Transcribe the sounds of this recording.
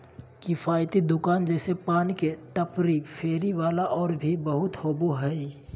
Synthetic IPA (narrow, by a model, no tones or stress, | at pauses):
kɪfʰaːjt̪id̪ʊkaːnd͡ʒɛːsepaːnikeʈəpɾipʰeːɾiʋaːlaʔɔːɾbʱibəɦʊt̪hoːbuɦɛi